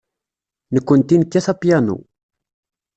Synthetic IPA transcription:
nəkʷːənt̪inəkːæθapjænṵ

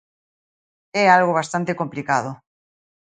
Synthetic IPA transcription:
ɛalɣoβ̞ast̪ant̪ekomplikað̞o

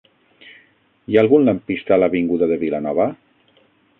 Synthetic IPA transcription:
jaːlˠɣunlampist̪alaβiŋɡuðaðəβilanɔβa

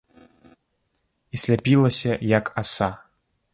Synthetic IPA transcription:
isʲlʲapʲilˠɐsʲɐjakʰasa

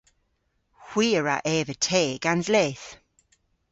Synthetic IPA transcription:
hw̥iːəɹa̰ʔɛːvətʰeːɡ̥anzlɛːθ

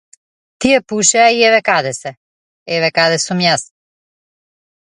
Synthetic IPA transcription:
t̪iɛpuʃɛaiɛvɛkad̪ɛsɛ | ɛvɛkad̪ɛsumjas

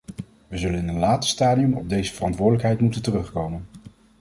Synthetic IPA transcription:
ʋəzɵlənɪnənlaːtə̥staːdiɵmɔb̚dejzəvərɑntʋʊːdələkɦɛjtmutəntərɵχkowmən

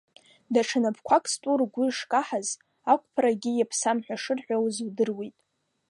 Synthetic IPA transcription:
daʈ͡ʂʰanapkʷʰakʼstʷʼurɡʷʊʂkʼaħaz | akʷʼpʰɾaɡʲijapʰsamħʷᶣaʂɨrħʷᶣawzwdɨrwijtʼ

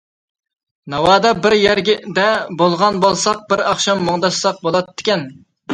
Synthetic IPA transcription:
nɑwɑːd̪ɑbɪɾjɛɾɡʲɪd̪ɛbolˠʁɑnbolˠsɑq̚bɪɾɑχʃɑmːoŋd̪ɑsːɑq̚bolˠɑt̪ːɪ̥kʲɛn

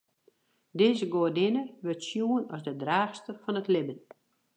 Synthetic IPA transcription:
dɪːzəɡoədɪnəʋʏrtsjuənɔsdədraːxstəfɔnətlɪbən

